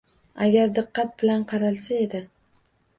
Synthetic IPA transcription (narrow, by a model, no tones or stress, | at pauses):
aɡʲaɾd̪ɨqːɑt̪̚bɪlanqʰɑɾalsae̞d̪ɪ